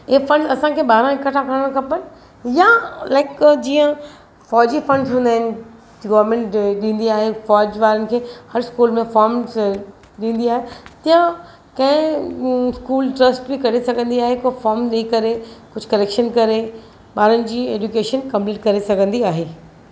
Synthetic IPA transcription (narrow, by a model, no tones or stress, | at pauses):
ɪɦefɐ̃ɳɖzɐsãkʰeːɓaːɾə̃ɪkɐʈʰãkɐɾəɽ̃ə̃kʰɐpən | jalaːɪkd͡ʑiːə̃ | fɔːd͡ʑifɐ̃ɳɖsũnd̪aːɦɪnɪ | ɡɐːʋɾmẽːɳʈɗĩːn̆d̪iaːɦefɔːd͡ʑʋaːɾənɪ̆kʰeːhɐɾskuːlmẽfɔːɾm | ɗĩːn̆d̪iaːɦet̪ɐjə̃ | kɐ̃ɦɪ̃ | skuːlʈɾɐsʈbikɐɾesɐɡʱə̃nd̪iaːɦekofɔːɾmɗeikɐɾekʊd͡ʑʱʊkɐleːkʃənkɐɾe | ɓaːɾənɪ̆d͡ʑiːeːd͡ʑukeːʃənkɐ̃mpliːʈkɐɾesɐɡʱə̃nd̪iaːɦeː